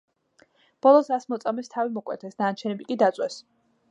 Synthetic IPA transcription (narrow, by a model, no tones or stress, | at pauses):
b̥ɔlˠɔsasmɔt̪sʼamɛst̪ʰavimɔkʼwɛ̰t̪ʰɛsd̪at͡ʃʰɛnɛbikʼid̪at̪sʼwɛs